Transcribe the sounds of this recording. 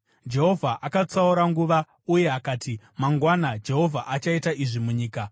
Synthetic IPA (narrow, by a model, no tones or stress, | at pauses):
d͡ʒe̞ɦo̞vʱaʔakat͡sauɾaŋɡuʋa | uje̞akaːti | maŋɡwanad͡ʒe̞ɦo̞vʱaʔat͡ʃaitaʔiʐimuɲiːka